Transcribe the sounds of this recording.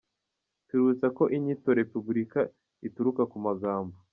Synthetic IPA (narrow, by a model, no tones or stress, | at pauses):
tuɾut͡sako̞ʔiɲito̞ɾe̞pubuɾika | ituɾukakumaɡaːmbo